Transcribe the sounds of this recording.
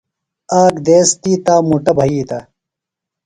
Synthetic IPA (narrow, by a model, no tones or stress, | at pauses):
aːkd̪eːst̪iːt̪aːmuʈɐbʱɐiːt̪ɐ